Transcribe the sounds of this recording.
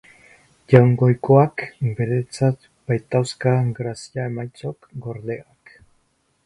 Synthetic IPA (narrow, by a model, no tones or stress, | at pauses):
ʝawŋɡo̞jko̞akbe̞ɾe̞t͡sat̪ | b̥ajt̪awskaɡɾasiae̞majt͡so̞kɡo̞ɾðe̞ak